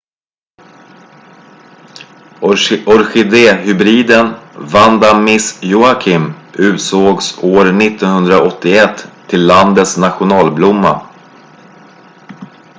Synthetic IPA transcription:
ɔɾɧɪd̪eːhʏbɾiːd̪ənvand̪amɪsjʊakʰɪmʔʉ̟ːt̪soːɡsoːɾnɪt̪ːɔnhɵnd̪ɾaɔt̪ʰːɪɛt̪ʰːɪlːand̪ət̪snat̪ɧʊnɑːlblʊmːa̰

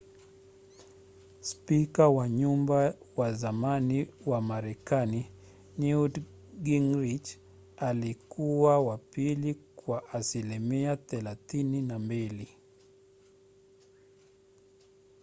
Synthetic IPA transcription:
spikawaɲumba | wazamaniwamaɾɛkani | niud | ɡiŋɾid͡ʒ | alikuwawapilikwaʔasilimiaθɛlaθininambili

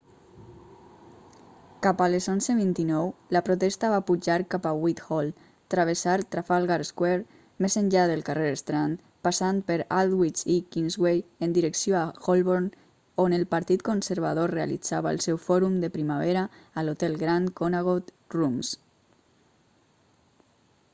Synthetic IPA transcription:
kapalezonzeβ̞int̪inɔwlapɾot̪ɛst̪aβapud͡ʒaɾkapawit̪xɔlˠ | t̪ɾaβəsaɾt̪ɾafalˠɣaɾskwɛɾ | mezənʎaðəlˠkareɾəst̪ɾant̪ | pasan̚pəɾalˠd̪wit͡ʃikinzɣwejənd̪iɾəksijoaxolˠβoɾn | onəlˠpaɾt̪it̪konsəɾβaðorea̰lḭd͡zaβaə̰lˠsɛwfɔɾumd̪əpɾimaβ̞ɛɾaːlot̪ɛlˠɣɾaŋkonaɣot̪ | rums

